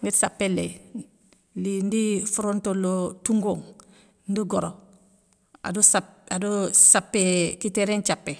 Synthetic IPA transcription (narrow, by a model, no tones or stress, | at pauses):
ŋɡetsapːelḛ | lindifuɾontolotuŋɡoːŋ | ndiɡoɾo | a̰dosapadosapːekiteɾent͡ʃapːe